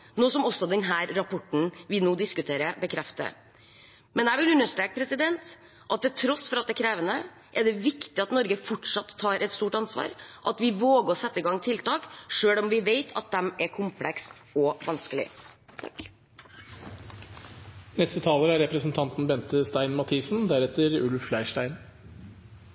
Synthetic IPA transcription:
noːsɔmɔsːɔd̪ɛnɦæːɾɾɑpʰɔʈn̩ʋɪnoːd̪ɪskʉt̪ʰeːɾəbəkʰɾɛft̪ə̰ | mɛnd̪æːʋɪlʉnːəʂʈ̪ɾɛːk̚pʰɾɛsɪd̪ɛnt̪ | ʔɑt̪̚d̪ɛt̪ʰɾɔsfɔɾɑt̪̚d̪ɛkʰɾeːʋənə | ʔɛɖɛʋɪkt̪ɪɑt̪nɔɾɡəfɔʈʂɑt̪ʰːɑːɾʔɛt̪st̪uːʈɑnsʋɑ̰ːɾʔɑt̪ʋɪʋoːɡəɾɔsɛt̪ːəɡɑŋːt̪ʰɪlt̪ɑːkʂøːlɔmʋɪʋeɪt̪ʰɑ̰t̪̚d̪ɛmɛkʰʊmpʰlɛks | ɔʋɑnskəlɪ̰ | nɛst̪ət̪ʰɑːləɾəæɾɛpɾəsn̩t̪ʰɑnt̪nbɛnt̪əst̪æɪnmɑt̪ʰiːsn̩d̪æɾɛt̪əɾʉlflæɪʂʈæɪn

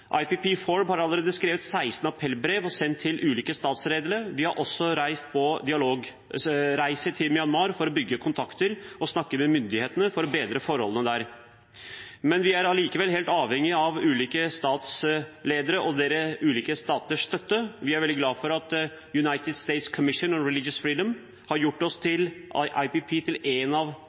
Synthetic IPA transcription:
ʔɑ̰ɪpiːpʰiːfɔɹbhɑɾɑlːəɾeːd̪əskɾeːʋət̪sæɪst̪nəɑpʰɾɛlːbɾeːʋɔsɛnt̪ʰːɪlʔʉːliːkəst̪ɑːt̪sɾeːd̪ələʋɪhɑɾʔɔsːɔɾæɪst̪̚pʰɔd̪ɪɑloːɡ | ɾæɪsət̪ʰɪlmɪɑnmɑːɾfɔɾɔbʏɡːəkʰʊnt̪ʰɑkt̪əɾɔsnɑkːəmɛmʏnd̪ɪheːt̪ənəfɔɾɔbeːd̪ɾəfɔɾhɔ̰lənəd̪æɾ | mɛnʋɪæɾɑliːkəʋɛlɦeːlt̪ɑːʋhɛŋːɪɑʋʉːliːkəst̪ɑːt̪sleːd̪əɾəʔɔd̪eːɾəʉːliːkəst̪ɑːt̪əʂst̪œt̪ːəʋɪæɾʋɛld̪ɪɡlɑːfɔɾɑt̪ | jʉnɑɪt̪ɪd̪st̪eɪt̪skʰɔmɪʂənɔɾɛlɪd͡ʒjəsfɾiːd̪əm | hɑɾjʊʈːɔst̪ʰɪlʔɑɪpɪpʰiːt̪ʰɪleːnɑʋ

